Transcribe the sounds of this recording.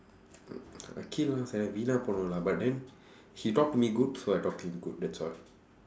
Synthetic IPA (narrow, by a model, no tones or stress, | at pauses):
a̰kʰilasaavinapɔnolabat̚dɛ̃n | hitɔk̚tmiɡud̚soajtɔk̚tuhĩmɡud̚dɛtsɔl